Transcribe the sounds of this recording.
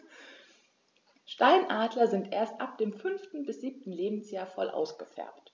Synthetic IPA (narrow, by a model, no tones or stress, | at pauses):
ʃtaɪnʔaːdlɐzɪntʔeːɐstʔap̚d̥eːmfʏnftn̩bɪsz̥iːp̚tn̩leːbm̩sjaːɐfɔlʔa̰ʊsɡ̥əfɛ̰ɐpt